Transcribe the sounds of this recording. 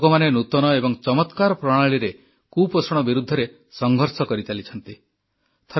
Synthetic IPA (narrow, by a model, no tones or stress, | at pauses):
ɡɔmanenut̪ɔnɔebɔŋt͡ʃɔmɔt̪kaɾɔpɾɔɽ̃aɭiɾe | kuposɔɽ̃ɔbiɾud̪ʱːɔɾe | sɔŋɡʱɔɾsɔkɔɾit̪ʰalit͡ʃʰɔnt̪i | t̪ʰɔ